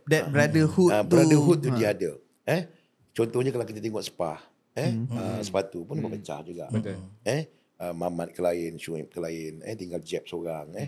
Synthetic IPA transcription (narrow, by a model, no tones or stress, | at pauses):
dɛt̚bəɾadəhuəb̪əɾadəɦut̪̚ːudiadə | ɛh | t͡ʃɔnt̪ɔhɲakalawkit̪at̪eŋɔʔsə̥pa̰h | ɛhəsə̥pat̪upunbəbət͡ʃa̰hd͡ʒuɡa̰ʔɛh | əmamat̪̚kəlaɪnsuɛp̚kəlaɪnə̰t̪iŋɡald͡ʒɛp̚soɾaŋɛ